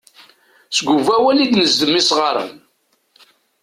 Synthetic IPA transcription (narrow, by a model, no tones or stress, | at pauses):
sɡʷuvæwælid̪nəzd̪əmːisʁəɾˤə̰n